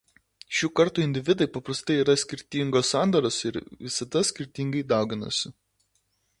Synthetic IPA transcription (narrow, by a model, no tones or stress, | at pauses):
ʃʲuːkɐɾt̪uːɪnʲd̪ʲɪʋʲɪd̪ɐɪpɐpɾɐst̪ɐɪiːɾɐsʲkʲɪɾʲt̪ʲiŋɡoːssɑˑnd̪ɐɾoːsɪɾʋʲɪsɐd̪ɐsʲkʲɪɾʲt̪ʲɪŋɡɐɪd̪ɑˑʊɡʲɪnɐ̰sʲɪ